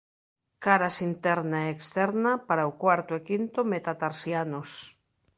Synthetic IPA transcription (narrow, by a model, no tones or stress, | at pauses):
kaɾasint̪ɛɾnaeekst̪ɛɾnapaɾaokwaɾt̪oekint̪omet̪at̪aɾsianos